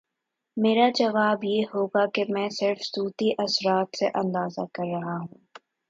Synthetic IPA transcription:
meːɾad͡ʒɐʋaːbjeːɦoːɡakemɛ̃ːsɪɾfsuːt̪iʔɐsɾaːt̪seʔɐ̃nd̪aːzakɐɾːɐɦaɦũː

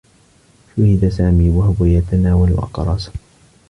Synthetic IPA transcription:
ʃʊhɪd̪asaːmiːwahʊwajat̪anaːwal̰ʔɑ̰qɾˤɑːsḁ

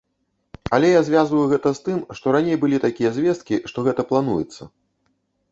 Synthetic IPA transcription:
ɐlʲɛjazʲvʲazvɐjuɣɛt̪ɐst̪ɨmʂt̪ɔɾanʲejbɨlʲit̪akʲijɐzʲvʲɛst̪̚kʲiʂt̪ɔɣɛt̪ɐplˠanujɛt̪sːɐ

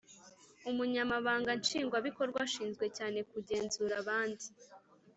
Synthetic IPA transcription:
umuɲamaβaːŋɡant͡ʃiːŋɡwaβiko̞ɾɡwaʃiːnzɡwe̞caːne̞kuɟe̞ːnzuːɾaβaːndi

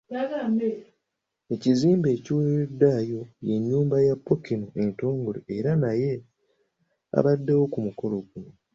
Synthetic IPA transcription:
jaɡaːme | e̞ciziːmbe̞ːciweedːajo̞je̞ɲːuːmbajapːokinoe̞nto̞ːŋɡolḛeɾanaje̞ | a̰βadːewo̞kumuko̞lo̞ɡuno

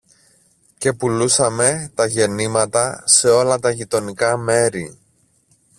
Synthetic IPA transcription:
ce̞pulusɐme̞t̪ɐʝe̞nimɐt̪ɐse̞o̞lɐt̪ɐʝit̪o̞nikɐme̞ɾi

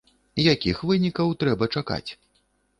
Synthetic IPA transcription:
jakʲixvɨnʲikɐwt̪ɾɛbɐt͡ʂaka̰t͡sʲ

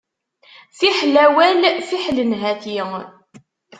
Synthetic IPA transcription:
θiħlæwælθiħlənɦæθi

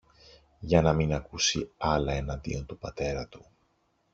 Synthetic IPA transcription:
ʝɐnɐminɐkusiɐlɐe̞nɐnd̪ḭo̞nt̪upɐt̪e̞ɾɐt̪u̥

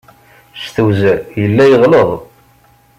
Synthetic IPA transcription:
sθuwzæjəlːæjəʁləðˤ

